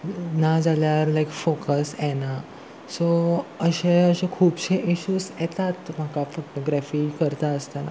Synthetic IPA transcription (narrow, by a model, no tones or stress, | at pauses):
nad͡zʱaljaɾlajkfokəsɛna | soəɕẽəɕẽkʰuːbɕẽʔiɕuːsjɛt̪at̪m̤akafoʈoɡɾɛfiːkəɾt̪aəst̪ana̰